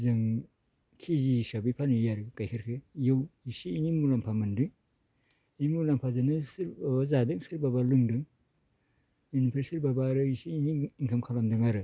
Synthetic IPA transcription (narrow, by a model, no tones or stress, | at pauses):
zɯŋ | kʰizisabipʰanijaɾɯkajkʰaɾkʰejɯwisiːnimulampʰamɐndɯŋ | iimulampʰazanɯsɯɾbabazadɯŋsɯɾbabalɯŋdɯŋ | inipʰesiɾbabaɾɯisiiniiŋkʰɐmkʰalamdɯŋaɾɯ